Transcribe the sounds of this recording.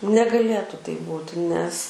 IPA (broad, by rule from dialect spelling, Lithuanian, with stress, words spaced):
nʲɛɡɐˈlʲeːtʊ tɐɪp ˈbuːtʲɪ nʲɛs